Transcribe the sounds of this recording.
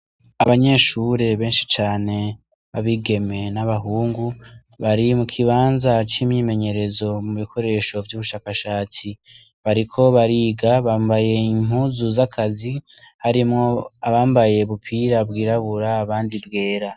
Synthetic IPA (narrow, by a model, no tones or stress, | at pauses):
aβaɲe̞ːʃuɾe̞βe̞ːnʃi̥t͡ʃaːne̞ | βaβiɡe̞me̞naβaɦuːŋɡu | βaɾimukʰiβaːnzat͡ʃimɲime̞ɲe̞ɾe̞zo̞muβikʰo̞ɾe̞ːʃo̞vjuβuʃaːkaʃaːt͡si | βaɾikʰo̞βaɾiːɡaβaːmbaje̞im̥huːzuzakʰazi | haɾimŋo̞aβaːmbaje̞βupʰiɾabɡiːɾaβuɾaːβaːndibɡe̞ːɾa